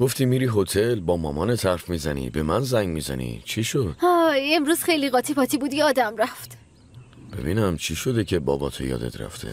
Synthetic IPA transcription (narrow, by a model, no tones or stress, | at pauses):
ɡ̥o̞ft̪iːmiːɾiːɦo̞t̪ʰe̞lbɒːmɒːmɒːnet̪ʰæɾfmiːzænḭːbe̞mænzæŋɡmiːzæ̰nḭt͡ʃʰiʃod̪̥hɒːemɾuːz̥xejliɣɒːt̪ʰipʰɒːt̪ʰiːbuːd̪jɒːd̪æmɾæft̪ | b̥e̞̰biːnæmt͡ʃʰiʃo̞d̪ecʰebɒ̰ːbɒːt̪ʰo̰jɒ̰ːd̪e̞̰t̪ʰɾæ̰ft̪ʰḛ